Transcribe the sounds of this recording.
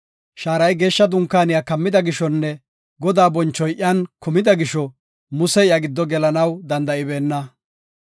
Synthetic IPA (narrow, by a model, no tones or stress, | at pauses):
ʃaːɾɐjɡe̞ːʃːɐd̪ʊŋkːaːnɪjaːkɐmːɪd̪ɐɡɪʃɔnːɛ | ɡɔd̪aːbɔnt͡ʃːɔjʔɪɐnkʊmɪd̪ɐɡɪʃɔ | mʊsɛɪɐɡɪd̪ːɔɡɛlɐnɐwd̪ɐnd̪ɐʔɪbe̞ːnːɐ